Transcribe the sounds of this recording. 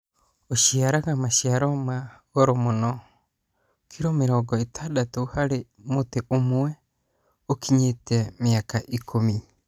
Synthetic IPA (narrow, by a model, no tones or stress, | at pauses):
osiaɾaɡamasiaɾomaɡoɾɔmono | kʰiɾomeɾɔɡɔit̪ʰadat̪ouhaɾe | moteʔomoe | okʰiɲeteamiakaʔikʰomi